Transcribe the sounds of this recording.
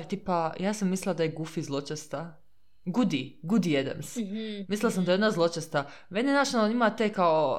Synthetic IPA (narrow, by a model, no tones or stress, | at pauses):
t̪ipajaːsamːislilad̪ajeɡufizlˠo̞t͡ʃest̪a | ɡud̪iɡud̪ijed̪ḛmsmislilasamd̪ajeonazlˠot͡ʃest̪a | menenaʃnaoimat̪ekao